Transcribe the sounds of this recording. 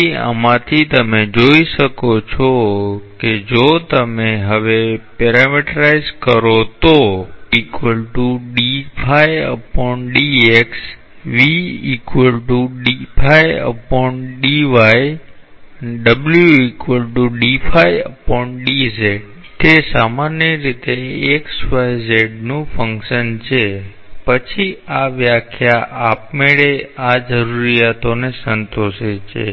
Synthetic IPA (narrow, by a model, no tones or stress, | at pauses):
iə̰mãt̪ʰit̪ɐm̤ẽd͡ʑoːisəkot͡ɕʰoked͡ʑoːt̪əmẽɦɐʋepeːɾamɪʈɾaːɪzkəɾot̪oiːkwəlʈuɗifʰaːɪɐ̰pɔ̃ɳʈɗiːeːks | ʋiːiːkwəlʈuɗipʰaːɪɐ̰pɔɪɳʈɗiːʋaj | ɖəbljuikʋəlʈuɖifʰajəpɔɳʈɖizeɖ | t̪esamanjəɾit̪eeksfajzeɖnũfə̃ŋkʃənt͡ʃʰe | pət͡ʃʰiaʋjakʰjaʔap̚meɭead͡ʒəɾuɾijat̪onesənt̪oʃet͡ʃʰḛ